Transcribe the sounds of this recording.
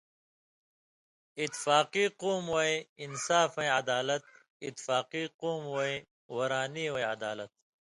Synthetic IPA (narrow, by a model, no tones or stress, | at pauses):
it̪faːqiːqoːmɐeinsaːfɐ̃ẽɐd̪aːlɐt̪̚ | it̪ːfaːqiːqoːmoe | wɐɾaːniːweɐd̪aːlɐt̪̚